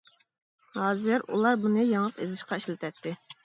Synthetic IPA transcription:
hɑːzɨɾṵlˠɑɾbunɨjɑŋlˠəqḛzɪʃqɑiʃlɪt̪ʰɛt̪ːɪ

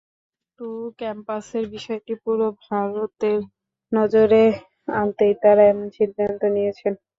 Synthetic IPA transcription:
ʈukɛmpaseɾbiʃɔeʈipuɾobʱaɾot̪eɾ | nɔd͡ʑoɾe | ant̪ejt̪aɾaɛmonʃid̪ʱːant̪onijet͡ɕʰen

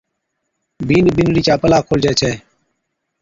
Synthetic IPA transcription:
biːnbinɾiːt͡ʃaːpəlaːkʰoːld͡ʒeːt͡ʃʰɛː

